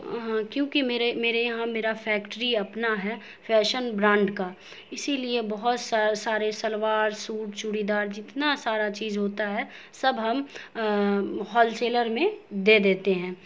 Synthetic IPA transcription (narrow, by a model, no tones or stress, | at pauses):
ɦãːkjõːkimeːɾemeːɾejɐɦãmeːɾafʰɛːkʈɾiɐpnaɦɛ | fʰɛːʃənbɾãːɳɖka | ɪsiliebɐɦʊt̪sasaːɾesɐlʋaːɾsuːʈt͡ʃʊɽid̪aːɾd͡ʒɪt̪nasaːɾat͡ʃiːzɦoːt̪aɦɛ | sɐbɦɐm | ɦɔːlseːləɾmẽd̪eːd̪eːt̪eɦɛ̃ː